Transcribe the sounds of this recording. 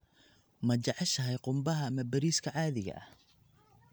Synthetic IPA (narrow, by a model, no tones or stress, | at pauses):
mɐt͡ʃɑʕɑʃɐɦɛjqʊmbɐɦɐːmɐbɐɾiːskʰɐʕɑːðɪɣɐ̰ʔɐ̰h